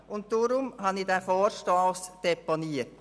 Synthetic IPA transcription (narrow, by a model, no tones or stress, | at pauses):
ʊnt̚d̥oɾʊmhɑnidæfoːɾʃtoːsd̥ɛponiət